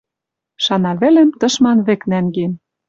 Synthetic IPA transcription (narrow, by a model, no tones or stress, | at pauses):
ʃɑnɑβɘ̆lĕmt̪ɤ̆ʃmɑnβĕknæŋɡen